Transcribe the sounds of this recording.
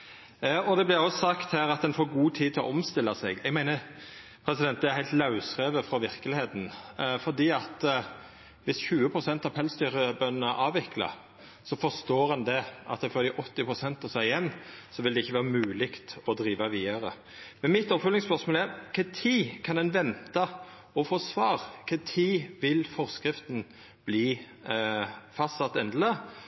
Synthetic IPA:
ɔd̪ɛblɪɾɔsɑkt̪hæːɾɑt̪d̪ɛnfoːɾɡuːt̪ʰiːd̪t̪ʰɪlɔ̰ʔɔmst̪ɪlːɑsɛ̰ɡɛɡmæɪnə | pʰɾɛsɪd̪ɛnt̪d̪ɛæɾhæɪlt̪lɑʉsʁeːʋəfɾɔʋɪɾkəlɪheːt̪n̩fɔɾd̪iːɑt̪ | ʋɪsçʉːəpʰɾʊsɛnt̪ɑʋpʰɛlst̪yːɾəbœnənəʔɑːʋɪklɑ̰ | sɔfɔst̪oːɾɑnd̪ɛʔɑ̰t̪̚d̪æfoːd̪ɪʔɔt̪ːɪpʰʁʊsɛnt̪ɑsæjɛnːsɔʋɪld̪ɛɪçːəʋæːʁəmʉːlɪkt̪ɔd̪ɾiːʋɑʋiːɑɾə̰ | mɛnmɪt̪ːɔpfʉlɪŋspœʁʂsmoːlæɾkʰɛt̪ʰiːkʰɑnd̪ɛnʋɛnt̪ɑ | ɔfoːsʋɑːʁkʰɛt̪ʰiːʋɪlfɔʁskɾɪft̪n̩ | b̥liː | fɑst̪sɑt̪ːɛnd̪lə

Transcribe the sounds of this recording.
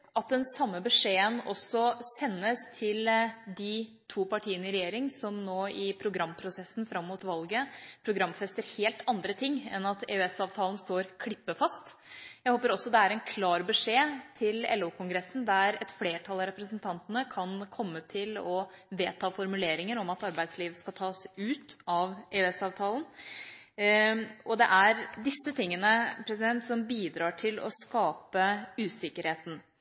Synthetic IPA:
ʔɑt̪̚d̪ɛnsɑmːəbəʂeːənɔsɔsɛnːəst̪ʰɪld̪ɪ | t̪ʰuːpɑʈʰiːənəɪɾɛjeːɾɪŋsɔmnoːɪpʰɾʊɡɾɑmːpʰɾʊsɛsn̩fɾɑmːuːt̪ʋɑlɡəpʰɾʊɡɾɑmfɛst̪əɾheːlt̪ɑnd̪ɾət̪ʰɪŋːɛ̰nɑt̪ḛːʉɛsɑːʋt̪ʰɑːlən̩st̪oːɾkʰɽɪpːəfɑst̪ | jæɪhoːpəɾɔsɔd̪ɛæɾɛnkʰlɑːɾbəʂeːt̪ʰɪlɛ̰lːuːkʰʊŋɡɾɛsn̩d̪æɾɛt̪fleːʈʰɑlɑɾɛpɾəsənt̪ʰɑnt̪ənəkʰɑnkʰɔmːət̪ʰɪlɔʋeːt̪ʰɑːfɔɾmʉleːɾɪŋəɾɔmɑt̪ɑɾbæɪd̪sliːʋəskɑt̪ʰɑːsʉːt̪ɑʋeːʉɛsɑːʋt̪ʰɑːlən | ɔd̪ɛ̰ʔæɾd̪ɪsːət̪ʰɪŋːənəpʰɾɛs̬ɪd̪ɛnt̪sɔmbiːd̪ɾɑːʈʰɪlɔ̰skɑːpəʉːsɪkːəɾheːt̪n̩

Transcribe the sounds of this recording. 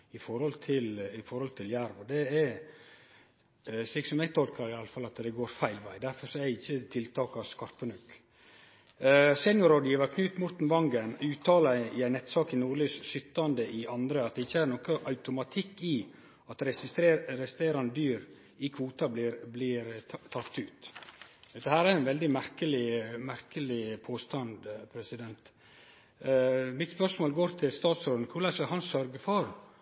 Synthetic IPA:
ɪfɔɾhɔlt̪ʰɪlɪfɔɾhɔlt̪ʰɪljæɾʋɔd̪ɛɛ | sliːɡsɔmjæɪɡt̪ʰɔlkɑɾɪɑlːəfɑlːɑt̪d̪ɛɡoːɾfæɪlʋæɪd̪æɾfɔɾsɔɛd̪ɛɪçːət̪ʰɪlt̪ʰɑːkɑskɑɾpənʉkː | sɛːnjʊɾɑd̪əʋɑɾkʰnʉːt̪mʊɾt̪n̩ʋɑŋɡənʉːt̪ʰɑːlɑɪæɪnɛt̪sɑːkɪnuːɾɭyːssʏt̪ːɑnd̪əʔɪʔɑnd̪ɾəɑt̪̚d̪ɛɪçːəæːɾnɔkəʔɑʉt̪ʊmɑt̪ʰɪkːɪ | ɑt̪ɾɛsɪst̪ɾeɾɛst̪ɾeːɾɑnəd̪yːɾ | ɪkʰʋuːt̪ɑblɪɾblɪɾt̪ʰɑkt̪ʉːt̪ | d̪ɛhæːɾæɾæɪnʋɛld̪ɪmæɾkəlɪmæɾkəlɪpʰoːst̪ɑnd̪pʰɾɛsɪd̪ɛnt̪ | mɪt̪spœsmoːlɡoːɾt̪ʰɪlst̪ɑːt̪sɾoːd̪n̩kʰʊɭɑskɑlhɑnsœɾɡəfɔɾ

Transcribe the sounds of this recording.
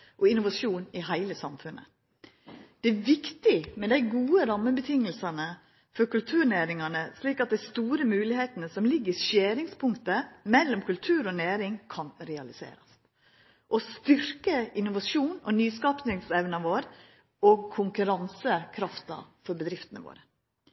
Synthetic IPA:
ʔɔɪnʊʋɑʂuːnɪɦæɪləsɑmfʉnʔə̰ | d̪̥ɛæʋɪkt̪ɪmɛd̪æɪɡuːəɾɑmːəbət̪ʰɪŋəlsɑnə | fɔɾkʉlt̪ʰʉːɾnæːɾɪŋɑnəsliːkɑt̪̚d̪æɪst̪uːɾəmʉːlɪheːt̪nəsɔmlɪɡːəɾʃeːɾɪŋspʰʊŋkt̪əmɛlːɔmkʉlt̪ʰʉːɾɔnæːɾɪŋkʰɑnɾɛɑlɪsḛːɾɑs | ʔɔst̪ʏɾkəɪnːʊʋɑʃuːnɔnyːskɑːpnɪŋsɛʋnɑʋoːɾ | oɡ̚kʰʊŋkʉɾɑnsəkʰɾɑft̪ɑ̰fɔɾbəd̪ɾɪft̪ənə̰ʋo̰ːɾə

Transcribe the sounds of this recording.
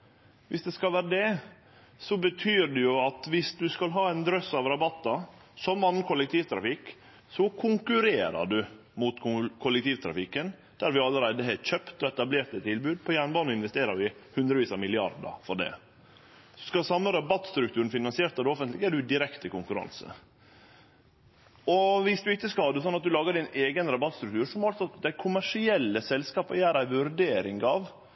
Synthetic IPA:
ʋɪsd̪ɛskɑlʋæːɾəd̪ɛ | sɔbət̪ʰyːɾɖ̪ɛjʊɑt̪ʋɪsd̪ʉskɑlɦɑːæɪnd̪ɾœsɑʋɾɑbɑt̪ːɑsɔmɑnːənkʰʊlːɛk̚t̪ʰiːʋt̪ʰɾɑ̰fɪkː | sɔkʰʊŋkʉɾeːɾə̰ɖʉ | mʊt̪kʰʊlɛk̚t̪iːʋt̪ʰɾɑ̰fɪkːən | d̪̥æɾʋɪɑlːəɾæɪd̪əɦɛçœpt̪ɔɛt̪ɑbleːɾt̪ət̪ʰːɪlbʉːd̪̚pʰɔjænbɑːnɪnʋɛst̪eːɾəɾʋɪhʉnd̪ɾəʋiːsɑmɪlɪɑ̰ɾd̪ə̰ɾfɔɖɛ̰ | sɔskɑsɑmləɾɑbɑt̪ːst̪ɾʉkt̪ʰʉːɾən̩fɪnɑnsɪeːɾt̪ɑd̪ɔfənt̪lɪɡæɖʉd̪ɪɾɛkt̪ʰəkʊŋkʉɾɑ̰nsə̰ | ɔʋɪsd̪ʉɪtːəskɑhɑːd̪ɛs̬ɔnːɑt̪̚d̪ʉlɑːɡəɖɪneːɡənɾɑbɑt̪st̪ɾʉk̚t̪ʉːɾʂɔmɑlsɔt̪d̪æɪkʰʊmæʂɪɛlːəsɛlskɑːpəjæːɾæɪʋʉɾɖeːɾɪŋɡɑʋ

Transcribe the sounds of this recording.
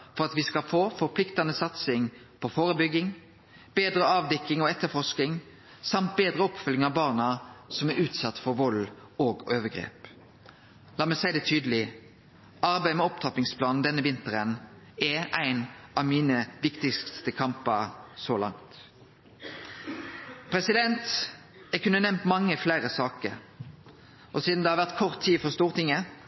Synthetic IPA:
fɔʁɑt̪ʋiːskɑlfoːfɔʁpʰlɪkt̪ɑnəsɑt̪sɪŋ | pʰɔfoːʁəbʏɡɪŋ | b̥eːd̪ɾəɑːʋd̪ɛkːɪŋoɛt̪ːəfɔʂkɪŋ | sɑmt̪̚beːd̪ʁəɔpfʏlːɪŋɑʋbɑːʁnɑsɔmæɾʔʉːt̪sɑt̪ːfɔʁʋɔloːɡoːʋəɡʁḛːp | lɑːmæɪsæɪd̪ɛt̪ʰyːd̪əlɪ | ɑʁbæɪmɛɔpt̪ʰɑpɪŋspʰlɑːnnd̪ɛnːəʋɪnt̪əʁən | ɛʔæɪnɑʋmiːnəʋɪkt̪ɪst̪əkʰɑmpɑsoːlɑ̰ŋt̪ | pʰʁɛsɪd̪ɛnt̪ | ækʰʉnːənɛmt̪mɑŋːəflæːʁəsɑːkəɾ | ʔɔsiːd̪nd̪ɛhɑːʋæʁt̪kʰɔʁt̪ʰːiːfɔʁst̪uːʁt̪ɪŋːə

